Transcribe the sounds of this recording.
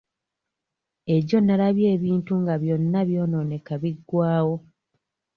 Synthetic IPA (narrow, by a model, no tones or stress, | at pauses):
e̞ɟo̞nːalaβje̞ːβiːntuŋɡaβjo̞nːaβjo̞ːno̞ne̞kaβiɡːwaːwo̞